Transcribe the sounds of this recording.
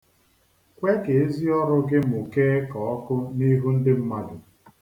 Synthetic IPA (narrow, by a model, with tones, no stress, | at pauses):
kʷe˦ke˨e˦zi˦ɔ˦ɾʊ˦ɡɪ˦m̩˨u˨ke˦kɔ˨ɔ˦kʊ˦ni˦ɦu˦n̩˦dɪ˦m̩˦ma˦dʊ˨